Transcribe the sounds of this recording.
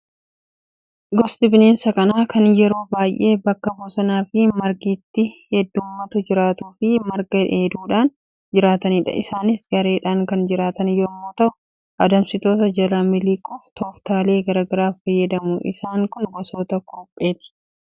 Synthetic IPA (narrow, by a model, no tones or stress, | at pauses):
ɡɔst̪ɪbneːnsɐkʼɐnaːkɐnjɛɾo̞ːbaːjʔe̞ːbɐkːɐboːsɔnaːfɪmɐɾɡiːt̪ːɪhɛd̪ːuːmːɐt̪ʊd͡ʒɪɾaːt̪uːfɪmɐɾɡɐᶑe̞ːd̪uːᶑaːn | d͡ʒɪɾaːt̪ɐniːᶑɐ̰ɪsaːnɪsɡɐɾe̞ːᶑaːŋkɐnd͡ʒɪɾaːt̪ɐnjoːmːoːt̪ɐʔʊ | ʔɐd̪ɐmsɪt̪o̞ːt̪ɐd͡ʒɐlamɪliːkʼʊft̪ʰɔːft̪aːle̞ːɡɐɾɐːɡɐɾaːfɐjːɐd̪ɐmʊʔɪ̰saːŋkʊnɡɔsoːt̪ɐkoːpʼːe̞ːt̪ɪ̥